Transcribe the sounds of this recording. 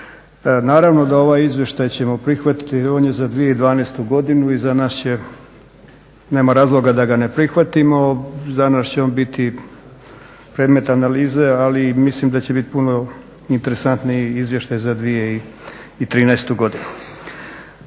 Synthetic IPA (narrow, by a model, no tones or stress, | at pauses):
naːɾaʋno̞d̪ao̞ʋaːjizʋje̞ʃt̪ajt͡ɕe̞mo̞pɾixʋat̪i̥t̪ioːnje̞zad̪ʋije̞id̪ʋaːnɛːst̪uɡo̞d̪inuizanaʃt͡ɕe̞ | ne̞ːmaɾaːzlˠo̞ɡad̪aɡane̞pɾixʋat̪imo̞zanast͡ɕeo̞ːnbit̪i | pɾed̪me̞t̪analiːze̞alimislimd̪at͡ɕe̞bit̪puno | int̪e̞ɾesant̪niizʋje̞ʃt̪ajzad̪ʋijeiit̪ɾiːnɛest̪uɡo̞d̪inu